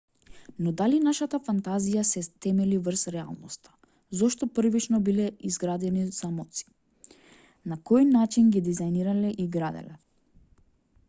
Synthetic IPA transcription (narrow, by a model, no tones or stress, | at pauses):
nɔd̪alinaʃat̪afant̪azijasɛt̪ɛmɛlivr̩sɾɛa̰lˠnɔst̪ḁ | zɔʃt̪ɔpr̩vit͡ʃnɔbilɛizɡɾad̪ɛniz̥amɔt̪si̥ | nakɔjnat͡ʃinɡid̪izajniɾalɛʔiɡɾad̪ɛ̰lɛ